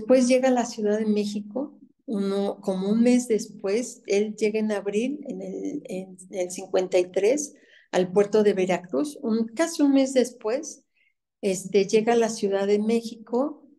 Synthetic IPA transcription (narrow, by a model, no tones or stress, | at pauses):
d̪espwe̞zʝe̞ɣalasjuðaðe̞me̞xiko̞ | unoko̞mo̞unme̞zðe̞spwe̞se̞ld͡ʒe̞ɣaenaβɾilenelenelsiŋkwe̞nt̪ajt̪ɾe̞s | a̰lpwe̞ɾt̪o̞ðe̞βeɾakɾusunkasiunme̞zðe̞spwe̞s | e̞st̪e̞ʝe̞ɣalasjuðaðe̞me̞xiko̞